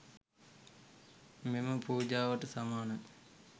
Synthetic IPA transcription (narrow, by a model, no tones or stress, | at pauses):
meməpuːd͡ʒaːʋɐʈəsamaːnɐ